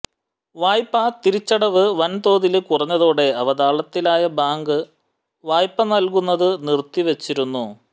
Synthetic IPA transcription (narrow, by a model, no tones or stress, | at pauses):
ʋaːjpːɐt̪iɾit͡ɕːɐɽɐʋɨʋɐnt̪o̞ːðilkurɐɲːɐðo̞ːɽe̞ɐʋɐðaːɭɐt̪ːilaːjɐbaːŋɡɨ | ʋaːjpːɐnɐlk̬unːɐðɨnirt̪ːiʋe̞t͡ɕːiɾunːu